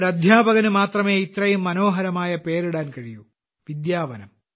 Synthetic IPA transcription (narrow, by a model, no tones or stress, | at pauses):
ɽɐd̪ʱjaːpɐɣɐnumaːt̪rɐme̞ːit̪ɾɐjumːɐnoːɦɐɾɐmaːjɐpeːɾuɽaːnkɐɻiju | ʋid̪jaːʋɐnɐm